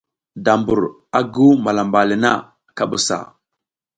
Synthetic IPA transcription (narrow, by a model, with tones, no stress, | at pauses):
da˨mbu˨ɾ | a˦ɡu˦ma˨la˨mba˨li˨na̰˦ | ka˦ɓu˨sa̰˨